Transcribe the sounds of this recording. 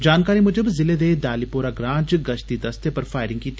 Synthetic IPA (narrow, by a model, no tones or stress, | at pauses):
d͡ʒaːnkaːɾimʊd͡ʒəbzɪled̪eːd̪aːlipoːɾaɡɾãːd͡ʒɡɐʃt̪id̪ɐst̪epɐɾfaːɪɾɪ̃ŋɡkiːt̪ː